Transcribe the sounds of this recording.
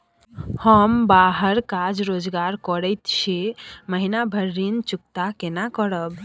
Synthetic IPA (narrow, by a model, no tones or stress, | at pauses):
həmbaɦəɾkad͡ʒɾod͡ʒɡaɾkɔɽəjt̪ʃʰeməɦinabʱəɾːint͡ʃuk̚t̪akenakɔɽəb